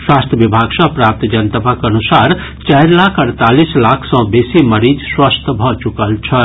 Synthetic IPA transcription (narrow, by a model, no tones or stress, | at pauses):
swast̪ʰjəbibʱaɡsə̃pɾap̚t̪d͡ʒənt̪əpakənusaɾ | t͡ʃaɪɾlakʰəɾt̪alislakʰsɔ̃besiməɾid͡ʒswast̪ʰbʱɔt͡ʃukəlt͡ʃʰə